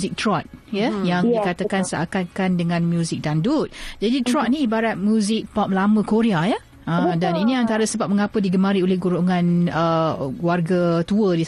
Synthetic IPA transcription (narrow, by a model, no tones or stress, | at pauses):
zɪk̚t̪ɾɔt̪̚jəjaŋdikat̪akansəa̰kat̪kandəŋãnmjuzɪk̚dandut̚d͡ʒadit̪ɾɔt̪̚nĩːbaɾat̪̚mjũzɪk̚pɔp̚lamə̃koɾeaja | ʔəmdaninĩant̪aɾəsəbap̚məŋapədiɡəmaɾiolɛhɡuɾoŋãnəwarɡat̪uədi